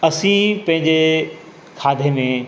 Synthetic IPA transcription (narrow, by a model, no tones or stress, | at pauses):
ɐsĩpɐ̃ɦɪ̃ɲd͡ʑe | kʰaːd̪ʱemẽː